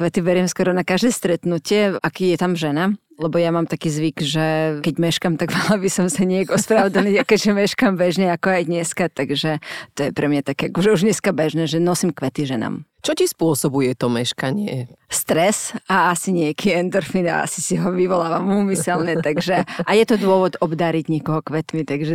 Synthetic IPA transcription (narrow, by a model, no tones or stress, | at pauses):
kʋɛt̪iʋɛɾɪɛmskwɔɾɔnakaʒd̪ɛːst̪ɾɛt̪nucɪɛʔakijɛt̪amʒɛna | lɛbɔjamaːmt̪akiːzʋikʒɛkɛɟmɛʃkamt̪aɡmalabisɔmsaɲɪɛɡɔspɾaʊd͡zaniakɛɟʒɛmɛʃkambɛʒɲɛakɔajd̪ɲɛskat̪aɡʒɛt̪ɔjɛpɾɛmɲat̪akɛakɔʒɛuʒɲɛskabɛʒnɛːʒɛnɔsimkʋɛt̪iʒɛna̰mt͡ʃɔcispʊɔsɔbujɛt̪ɔmɛʃkaɲɪɛ̰st̪ɾɛsaasiɲɪɛkʰiɛnd̪əɾfina̰a̰si̥siɦɔʋiʋɔlaːʋamuːmisɛlnɛt̪aɡʒɛajɛt̪ɔd̪ʊɔʋɔd̪ɔbd̪aɾiɟɲɪɛkɔɦɔkʋɛt̪mit̪aɡʒɛ